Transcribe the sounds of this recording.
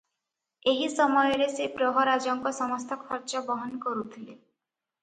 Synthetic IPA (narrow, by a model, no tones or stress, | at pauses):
eɦisɔmɔjɔɾesepɾɔɦɔɾad͡ʒɔŋkɔsɔmɔst̪ʰɔkʰɔɾt͡ʃɔbɔɦɔnkɔɾut̪ʰile